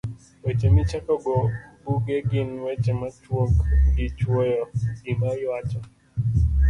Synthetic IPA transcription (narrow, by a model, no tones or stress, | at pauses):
wet͡ʃemit͡ʃakɔɡɔbuɡeɡɪnwɛt͡ʃɛmat͡ʃwokdit͡ʃojɔɡinaiwat͡ʃɔ